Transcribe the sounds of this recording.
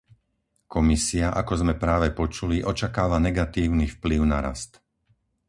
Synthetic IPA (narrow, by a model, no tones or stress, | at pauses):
kɔmisiaʔakɔzmɛpɾaːʋɛpɔt͡ʃuliʔɔt͡ʃakaːʋanɛɡat̪iːʊnifpliʊnaɾa̰st̪